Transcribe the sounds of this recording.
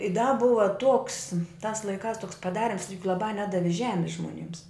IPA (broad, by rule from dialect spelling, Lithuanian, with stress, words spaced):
ɪ dɐ ˈbʊʋɐ tuɔks tɑːs lˠɐɪˈkɑːs toːks pɐˈdɑːrʲɪms lˠɐˈbɑː ˈnʲæːdɐʋʲɪ ˈʒʲæːmʲɪs ʒmoːˈnʲɪms